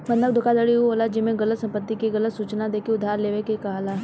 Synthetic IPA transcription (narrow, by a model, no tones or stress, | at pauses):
pə̃nd̪ək̚d̪ʱʊkad̪əɽiɦuɦoːlad͡ʒɪmẽɡɐlət̪sɐ̃mpət̪ːikiɡɐlət̪suːt͡ʃnad̪eːkiʊd̪ʱaːɾleːʋekekɐɦala